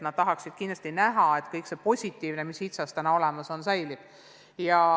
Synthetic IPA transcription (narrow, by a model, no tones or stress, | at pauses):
t̪nɑd̪̥̚t̪ɑɦɑksid̪̥̚kind̪l̥ɑsʲt̪inæɦɑe̞t̪kɤjkse̞po̞sʲit̪ːˑiːvne̞misit̪sɑst̪ænɑo̞le̞mɑso̞nsɑjlib̥ | jɑ